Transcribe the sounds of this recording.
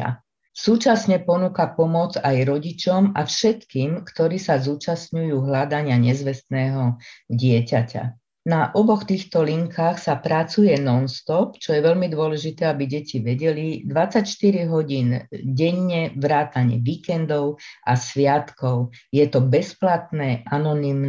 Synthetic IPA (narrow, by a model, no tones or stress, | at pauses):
suːt͡ʃasɲɛpɔnuːkapɔmɔd͡zajɾɔɟit͡ʃɔmʔafʃɛt̪kiːmkt̪ɔɾiːsazuːt͡ʃasɲujuːɦlad̪aɲɪaɲɛzʋɛst̪nɛːɦɔɟɪɛcaca̰ | naʔɔbɔxt̪iːxt̪ɔliŋkʰaːxsapɾat͡sujɛnɔnst̪ɔpt͡ʃɔjɛʋɛʎmid̪ʊɔlɛʒit̪ɛːabiɟɛciʋɛɟɛlid̪ʋat͡sːacʃt̪iɾiɦɔɟiːnɟɛɲːɛʋɾaːt̪aɲɛ̰ʋiːkɛnd̪ɔʊʔasʋɪat̪kɔʊjɛt̪ɔbɛsplat̪nɛːʔanɔnim